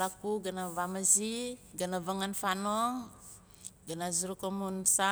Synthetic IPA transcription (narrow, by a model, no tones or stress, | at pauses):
lakuɡanavamaziɡanavaŋanfano | ɡanaziɾukomunsa